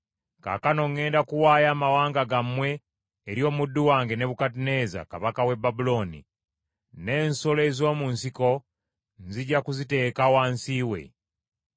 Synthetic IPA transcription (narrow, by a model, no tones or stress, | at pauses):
ka̰kano̞ŋːe̞ːndakuwaːjaːmawaːŋɡaɡamwe̞ː | ɾjo̞ːmudːuwaːŋɡe̞ne̞βukat̬ine̞ːza̰kaβakawe̞babulo̞ːnḭ | ne̞ːnsole̞ːzo̞ːmunsiko̞ | nziɟakuzite̞ːkawaːnsiːwe̞̰